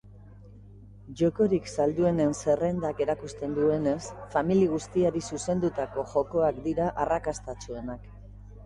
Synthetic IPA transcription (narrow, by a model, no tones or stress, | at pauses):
ʝo̞ko̞ɾiksald̪ue̞ne̞nse̞re̞nd̪ake̞ɾakust̪e̞nd̪ue̞ne̞sfamiliɣ̞ust̪iaɾisuse̞nd̪ut̪ako̞ʝo̞ko̞akd̪iɾaʔarakast̪at͡sue̞nak